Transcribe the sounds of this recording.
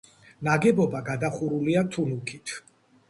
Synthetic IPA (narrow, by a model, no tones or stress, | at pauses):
naɡɛbɔbaɡad̪aχuɾuliat̪ʰunukʰit̪ʰ